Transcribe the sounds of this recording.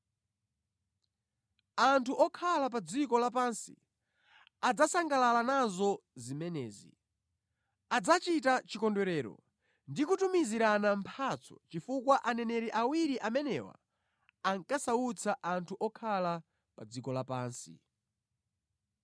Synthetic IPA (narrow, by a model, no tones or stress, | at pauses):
antʰuʔɔkʰalap̬ad͡zikɔlap̬ansḭ | ad͡zasaŋɡalalanazɔzimɛnɛːzḭ | ad͡zat͡ʃitat͡ʃikɔndɛɾɛːɾɔ̰ | ndikutumiziɾanampʰat͡sʰɔ̰t͡ʃifukwaʔanɛnɛɾɛʔawiɾiʔamɛnɛ̰wa̰ | aŋkasaut͡sʰaʔantʰuʔɔkʰala | pad͡zikɔlapaːnsḭ